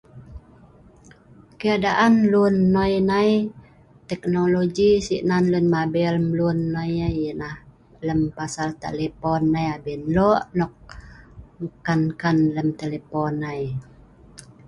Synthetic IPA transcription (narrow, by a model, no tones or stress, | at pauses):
kəjaʔdaʔanlunːɔjnaj | t̪ɛknoloɡisiʔnanlunmabɛləmlunːɔjajənah | ləmpasalt̪ḛlepɔnːajabinlɔʔnɔk̚ | məkankanləmt̪eleponːaj